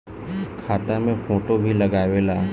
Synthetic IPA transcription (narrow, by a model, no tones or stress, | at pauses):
kʰaːt̪amẽfoːʈobʱilɐɡaːʋelaː